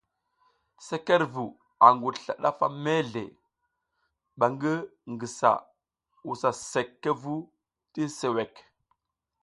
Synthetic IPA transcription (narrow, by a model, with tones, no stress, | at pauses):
se˦ke˦ɾvu˨ | a˨ŋɡu˨ɬa̰˨ɗa˦fa˦me˦ɮḛ˨ | ɓa˨ŋɡə˦ŋɡi˨sa̰˨ | u˨sa˨se˨kːe˦vu˦ | ti˦se˨we˨k